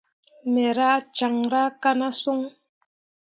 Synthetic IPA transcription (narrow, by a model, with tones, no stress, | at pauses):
mɛ˨ɾa˦t͡ʃa˨ŋɾa˦ka˦na˦so˦ŋ